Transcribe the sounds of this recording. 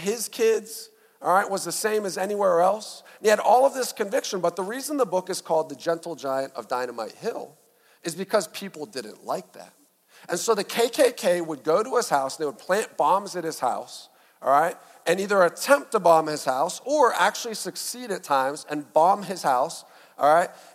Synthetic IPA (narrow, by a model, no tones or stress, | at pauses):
ɪz̥kʰɪdz̥ | ɹaɪʔ̚wʌzðɨsẽɪ̃mɨzɛniwɛɹɛlˠsn̩iɨɾɔlˠʌvðɪskɨ̃ɱvɪkʃə̃n̩bʌt̪̚ðəɹizə̃n̩ðəbʊkɨz̥kʰɔlˠd̪̚ðɨd͡ʒɛ̃ntˡl̩ˠd͡ʒaɪɨ̃ntʌ̰vdãɪ̃ñəmaɪt̚hɪlˠ | ɨzbɨkʰʌz̥pʰipl̩ˠdɪdⁿn̩ʔla̰ɪk̚ðæ̰t̚ | ɨ̃nsoʊðɨkʰeɪkʰeɪkʰeɪwəd̚ɡoʊɾəɨz̥haʊsðeɪwəd̚pʰl̥æ̃nb̥ɑ̃mzɨ̃n̚hɨz̥ha̰ʊs | ɔɹaɪt̚ | ɨ̃niðə˞ɨtʰɛ̃mp̚tʰəbɑ̃mɪz̥haʊsə˞æ̰k̚t͡ʃʉl̩ˠisɨksiɾɨtʰãɪ̃mzɨ̃nbɑ̃mɪz̥haʊs | ʔɔɹaɪt̚